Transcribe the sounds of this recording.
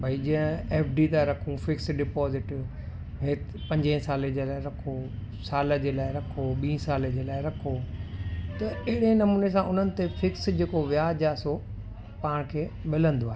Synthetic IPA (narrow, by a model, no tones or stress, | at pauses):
bʱɐid͡ʑĩːə̃eːfɖit̪aɾɐkʰũfɪksɖɪpɔːzɪʈ | ɦeːt̪ | pɐ̃ɲd͡ʑẽsaːlẽd͡ʑeːlaːɪɾɐkʰo | saːləd͡ʑeːlaːɪɾɐkʰoɓĩːsaːled͡ʑeːlaːɪɾɐkʰo | t̪ɐɐɦɪɽenɐmuːnes̬ãʔʊn̤ənɪ̆t̪efɪksd͡ʑeːkoʋjaːd͡ʑaːso | paːɽ̃kʰeːɓɪlə̃nd̪oaːɦe